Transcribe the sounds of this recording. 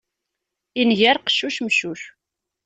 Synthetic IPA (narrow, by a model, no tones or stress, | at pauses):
inʝæɾqə̥ʃːuʃmʃuç